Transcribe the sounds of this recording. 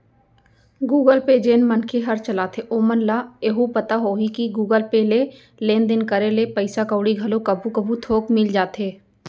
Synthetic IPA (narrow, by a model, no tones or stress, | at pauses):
ɡuːɡəlped͡ʒeːnmənkʰeɦəɾt͡ʃəlaːt̪ʰeʔoːmənlaːeːɦupət̪aɦoːɦikiɡuːɡəlpele | leːnd̪ɪnkəɾelepəɪsakəʊɽiɡʱəlokɐbʱukəbʱũt̪ʰoːkmɪld͡ʒaːt̪eː